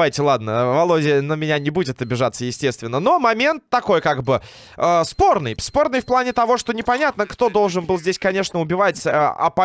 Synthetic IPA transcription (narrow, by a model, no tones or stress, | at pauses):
ajtʲɪlˠad̪nə̰vɐlˠo̞dʲɪənəmʲɪnʲanʲɪbudʲɪt̪ɐbʲɪʐat̪səjɪsʲtʲe̞st̪vʲɪnːəno̞mɐmʲe̞nt̪ːɐko̞jkaɡbɨ | əspo̞rnɨjspo̞rnɨjfplˠanʲɪt̪ɐvo̞ʂt̪o̞nʲɪpɐnʲat̪nəkt̪o̞d̪o̞lˠʐɨnbɨlˠzʲdʲesʲkɐnʲe̞ʂnəʊbʲɪvatʲɐ̰pɐ